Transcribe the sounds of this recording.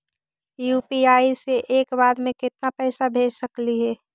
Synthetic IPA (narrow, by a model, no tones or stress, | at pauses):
juːpiaːiseʔeːkbaːd̪mẽkɪt̪napɛːsabʱeːd͡ʒsəkliɦɛː